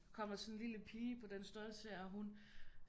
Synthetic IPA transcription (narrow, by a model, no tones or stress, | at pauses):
kʰɒ̽m̰ɐsɒ̽nnliləpʰiːəpʰɒ̽d̥ensd̥ølsəæɦun